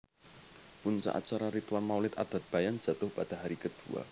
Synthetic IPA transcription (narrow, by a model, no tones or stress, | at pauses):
puɲt͡ʃa̰ʔa̰t͡ʃaɾaɾit̪wanmawlɪt̪a̰d̪̥a̤t̪̚b̥ajan̥d͡ʒ̥a̤t̪ʊhpad̥aɦaɾikəd̪̥ua̰